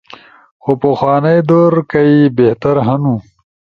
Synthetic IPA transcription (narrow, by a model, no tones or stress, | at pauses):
xopɐxwɑːnajd̪oɾkaibeht̪aɾɦanũ